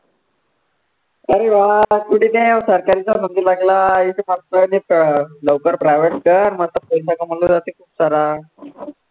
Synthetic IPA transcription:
əɾeʋakuɽinesəɾkaɾit͡sanənd̪ilaɡlaisemalt̪ənipləʋkəɾpɾajʋeʈkəanməɾt̪əpəjsakaməlud͡zat̪ekʰuːpsaɾa

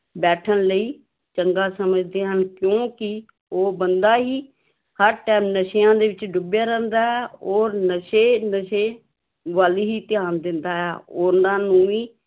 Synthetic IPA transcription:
bɛːʈʰənləiː | t͡ʃəŋɡaːsəməd͡ʒd̪eːɦənkjõːkɪ | oːbənd̪aːɦiː | həɾʈɛːmnəʃɪjãːd̪eːʋɪt͡ʃɖʊbjaːɾɛːnd̪aːɦɛːoːɾnəʃeːnəʃeː | ʋaːliːɦiːt̪ɪjaːnd̪ɪnd̪aːɦɛːoːnãːnũːiː

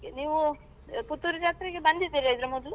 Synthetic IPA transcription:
eniːʋu | put̪ːuɾud͡ʒaːk̪ɾiɡebɐnd̪it̪iɾɐjd̪ɾɐmɔd̪lu

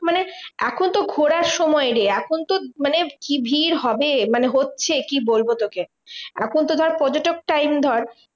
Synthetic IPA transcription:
maneɛkʰont̪oɡʱoɽaɾʃɔmɔeɾeɛkʰont̪omanekibʱiɾɦɔbemaneɦotːɕʰekibolbot̪oke | ɛ̰kʰont̪̬od̪ʱɔɾpɔd͡ʑoʈok̚ʈajmd̪ʱɔɾ

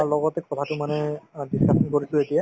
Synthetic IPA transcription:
alɔɡɔtɛkɔtʰatʊmanɛdiskasʰɔnkoɹisʊetija

